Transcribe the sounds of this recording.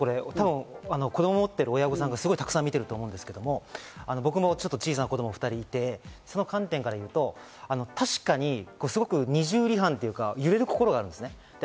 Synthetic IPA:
ko̞ɾe̞t̪abɯ̟̃ŋano̞ko̞d̪omomot̪ːe̞ɾɯ̟ojaɡosãŋɡasɨɡo̞it̪akɯ̟sãmːʲit̪e̞ɾɯ̟t̪oːmo̞ɯ̃nd̪esɨ̥ke̞d̪omo̞ano̞bok̬ɯ̟mo̞t͡ɕo̞t̪ːot͡ɕiːs̬anakod̪o̞moɸɯ̟t̪aɾʲiːt̪e̞so̞no̞kãnt̪ẽ̞ŋkaɾajɯ̟ːt̪o̞ | ano̞t̪aɕi̥kaɲ̟iko̞ːsɨɡo̞kɯ̟ɲ̟iʑɨːɾʲiɦãnt̪e̞jɯ̟kajɯ̟ɾe̞ɾɯ̟ko̞ko̞ɾo̞ɡaːɾɯ̟nd̪esɨne | d̪̥e

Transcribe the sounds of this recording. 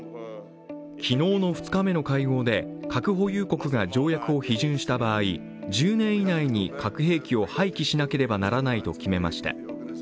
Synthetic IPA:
kʲʰino̞ːno̞ɸɯ̟̥t͡sɨ̥kame̞no̞kaiɡo̞ːd̪e̞kakɯ̟ɦo̞jɯ̟ːko̞kɯ̟ɡad͡ʑo̞ːjakɯo̞çiʑɨ̃ɰ̃ɕi̥t̪abaːi | d͡ʑɨːnẽ̞ɰ̃inaiɲ̟ikakɯ̟ɦe̞ːkʲio̞haikʲiɕinake̞ɾe̞banaɾanait̪o̞̰kʲime̞ma̰ɕi̥t̪a̰

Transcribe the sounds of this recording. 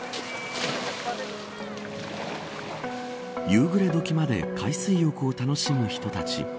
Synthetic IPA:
jɯːɡɯ̟ɾe̞d̪o̞kʲimad̪e̞̰kʰaisɨijo̞kɯ̟ot̪ano̞ɕimɯ̟çi̥t̪o̞t̪at͡ɕḭ

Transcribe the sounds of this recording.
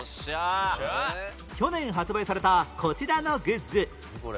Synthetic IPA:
kʲo̞nẽ̞ɰ̃ɦat͡sɨbaisaɾe̞t̪akʰo̞t͡ɕiɾano̞ɡɯ̟zɨ

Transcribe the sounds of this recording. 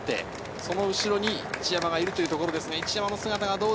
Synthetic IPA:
t̪ːe̞̰ | so̞no̞ɯ̟ɕiɾo̞ɲ̟iit͡ɕijamaɡaiɾɯ̟t̪ojɯ̟t̪o̞ko̞ɾo̞d̪e̞sɨɡait͡ɕijamano̞sɨɡat̪aɡad̪o̞ː

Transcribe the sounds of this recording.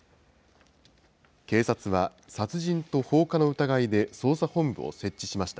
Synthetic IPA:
ke̞ːsat͡sɨβa | sat͡sɨʑĩnt̪o̞ho̞ːkano̞ɯ̟t̪aɡaid̪e̞so̞ːsahõ̞mbɯ̟o̰se̞t͡ɕːiɕimaɕi̥t̪a

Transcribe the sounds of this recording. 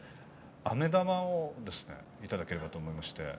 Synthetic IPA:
ame̞d̪amãod̪e̞sɨ̥ne̞̰ | it̪ad̪ake̞ɾe̞bat̪oːmo̞imaɕi̥t̪e̞̰

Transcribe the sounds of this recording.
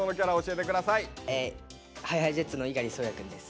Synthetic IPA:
ono̞k̬ʲaɾao̞ɕie̞t̪ekɯ̟d̪asaie | hajhaizet͡sɨno̞iɡaɾʲisoːjakɯ̟̃nd̪esɨ̥

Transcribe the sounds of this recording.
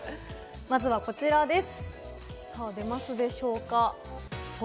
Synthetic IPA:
mazɨβako̞t͡ɕiɾad̪e̞sɨ̥ | saːd̪e̞masɨd̪e̞ɕo̞ːka

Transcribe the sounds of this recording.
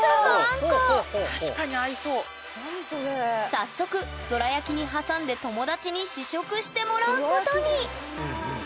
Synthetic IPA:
ãŋkoaɕi̥kaɲiaiso̞ː | sasːo̞kɯ̟ | d̪̥o̞ɾajakʲiɲ̟iɦasãnd̪e̞t̪o̞mo̞d̪at͡ɕiɲ̟iɕiɕo̞kɯ̟ɕi̥t̪e̞mo̞ɾaɯkot̪oɲ̟i

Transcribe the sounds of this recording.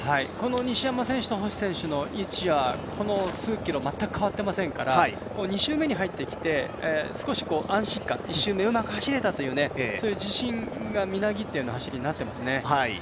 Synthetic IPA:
haiko̞no̞ɲ̟iɕijamasẽ̞ɕɨ̥t̪oɦoɕi̥sẽ̞ɰ̃ɕɨno̞ʔit͡ɕiβakʰo̞no̞sɨːkʲiɾo̞mat̪ːakɯ̟kaβat̪ːe̞masẽ̞ŋkaɾa | koːɲ̟iɕɨːme̞ɲ̟iɦait̪ːe̞kʲi̥t̪e̞sɨ̥ko̞ɕi̥ko̞ːʔãɰ̃ɕĩkːã̰iɕːɨːme̞ɯ̟makɯ̟̥haɕiɾe̞t̪at̪o̞jɯ̟ːne̞so̞ːjɯ̟ːd͡ʑiɕĩŋɡamʲinaɡʲit̪ːejɯ̟nohaɕiɾʲiɲ̟inat̪ːe̞masɨne̞haḭ

